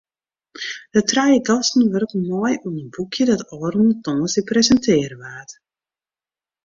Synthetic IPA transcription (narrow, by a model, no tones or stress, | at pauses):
dətrajəɡɔstn̩ʋørkmɔjuənənbukʰjədɔtɔːrənətɔːŋsiprɛzəntʰɪərəʋaːt